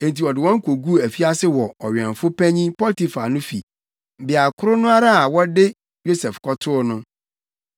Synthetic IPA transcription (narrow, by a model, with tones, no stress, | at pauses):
ẽ˨n˨ti˨ɔ˨dɪ˨wɔ̃˦ŋ̩˦kʰo˨ɡu˦˨æ˨fi˦a˦sɪ˦wɔ˨ɔ˨ɥɛ̰̃˨n˨fʊ˦pʰæ̃˦ɲĩ˦pɔ˦ti˨fa˨nʊ̃˦fḭ˨ | bɪ˨a˨kʰʊ˦ɾʊ˦nʊ̃˦a˦ɾa˦a˨wɔ˦dɪ˦ | jo˦sɛ˨fkʰɔ˦tʰʊ˦nʊ̃˦